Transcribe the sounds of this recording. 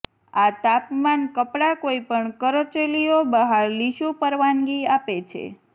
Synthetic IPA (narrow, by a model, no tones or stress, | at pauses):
at̪apmankəpɽakoipəɳkəɾot͡ʃelijobəɦaɾliʃũpəɾʋaŋɡiapet͡ʃʰḛ